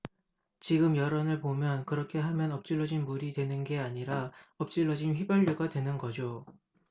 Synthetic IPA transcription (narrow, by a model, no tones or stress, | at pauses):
t͡ɕiɡɯmjʌɾʌnɯɭpomjʌnkɯɾʌkʰe̞ɦamjʌnʌp̚t͡ɕ͈iɭːʌd͡ʑinmuɾidwe̞nɯnɡe̞aɲiɾaʌp̚t͡ɕ͈iɭːʌd͡ʑinɸɥibjʌʎːuɡadwe̞nɯnɡʌd͡ʑo